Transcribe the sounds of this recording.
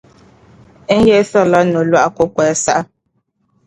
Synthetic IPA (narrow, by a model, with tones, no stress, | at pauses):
je˦θɔ˦lɔ˦no˨lwa˦ʔa˨ko˦kwɛ˨˦sa˦ʔa˦